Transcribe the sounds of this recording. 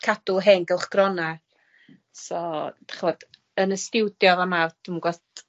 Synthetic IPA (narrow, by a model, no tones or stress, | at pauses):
kʰad̥ʊɦɛŋɡɛlˠχɡ̥rɔna | sɔtaχvɔd | ənəstɪwdjɔvamad̥umɡɔt